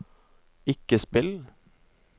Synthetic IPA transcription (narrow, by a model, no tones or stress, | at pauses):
ɪkəspɪl